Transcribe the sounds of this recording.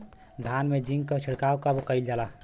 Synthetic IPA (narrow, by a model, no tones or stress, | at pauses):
d̪ʱanmed͡ʒĩŋɡkət͡ʃʰiɽkawkəbkəɪld͡ʒala